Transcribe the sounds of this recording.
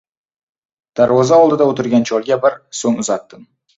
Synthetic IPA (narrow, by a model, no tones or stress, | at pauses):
d̪̥aɾwɒzaɒlˠd̪ɪd̪aot̪ɪɾɡʲant͡ʃʰɒlˠɡʲabɪɾsoŋʊzat̪ːɪm